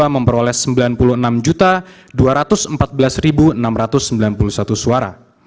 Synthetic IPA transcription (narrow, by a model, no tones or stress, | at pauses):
aməmpəɾolɛsəmbilanpulʊhnamd͡ʒut̪a | duaɾat̪ʊsəmpat̪̚bəlasribuənamrat̪ʊsːəmbilanpuluhsat̪usuaɾa̰